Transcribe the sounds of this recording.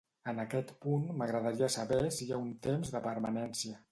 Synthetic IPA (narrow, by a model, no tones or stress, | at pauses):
ənəkɛt̪punməɣɾəðaɾiəsəβɛsiaunt̪emzðəpəɾma̰nɛnsiə